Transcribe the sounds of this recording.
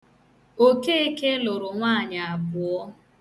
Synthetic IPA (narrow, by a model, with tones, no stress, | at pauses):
o˦ke˦e˦ke˦lʊ˨ɾʊ˨ŋʷaː˦˨ɲa˨a˨bʊ˨ɔ˦